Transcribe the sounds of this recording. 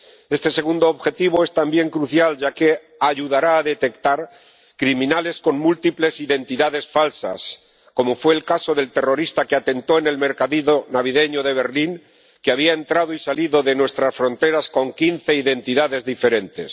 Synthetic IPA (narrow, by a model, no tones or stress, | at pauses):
e̞st̪e̞se̞ɣ̞und̪oːβxe̞t̪iβ̞o̞e̞st̪ambje̞ŋkɾuθjalʝake̞ | aʝuðaɾaːðe̞t̪e̞kt̪aɾ | kɾimĩnale̞sko̞ŋmult̪iple̞siðe̞nt̪iðaðe̞sfalsa̰s | ko̞mo̞fwe̞ːlkaso̞ðe̞lt̪e̞ro̞ɾist̪akeat̪e̞nt̪o̞ene̞lme̞ɾkaðiðonaβ̞iðe̞ɲoðe̞β̞e̞ɾliŋ | keaβ̞iae̞nt̪ɾaðoisaliðo̞ðe̞nwe̞st̪ɾasfɾo̞nt̪e̞ɾasko̞ŋkinθe̞iðe̞nt̪iðaðe̞zðife̞ɾe̞nt̪e̞s